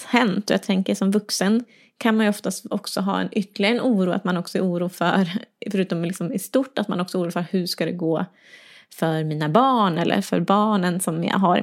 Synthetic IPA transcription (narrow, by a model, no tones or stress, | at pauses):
hɛnt̪ɔjɑːt̪ʰɛŋkəʂɔmvɵksən | kʰanmanjɵɔft̪ast̪ɔksɔɦɑ̰ːɛ̰nʔʏt̪ːəlɪɡaɾənuːɾuːa̰t̪manɔksɔɛɾuːɾuːfœɾfœɾʉ̟ːt̪ɔmlɪksɔmɪst̪uʈːat̪manɔksɔuːɾuːfœɾhɵʂkad̪ɛɡoː | fœɾmiːnabɑːɳɛlːʔə̰ɾfœ̰ɾbɑːɳənsɔmja̰ɦaɾɪ̰